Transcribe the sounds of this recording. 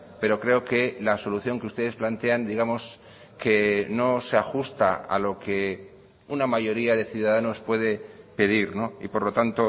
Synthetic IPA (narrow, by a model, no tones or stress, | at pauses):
pe̞ɾo̞kɾe̞oke̞laso̞luθjo̞ŋkeust̪e̞ðe̞splant̪e̞and̪iɣamo̞s | ke̞no̞se̞axust̪aa̰lo̞ke̞ | unamaʝo̞ɾiaðe̞θjuðaðano̞spwe̞ðe̞pe̞ð̞iɾno̞ḭpo̞ɾlo̞t̪ant̪o̞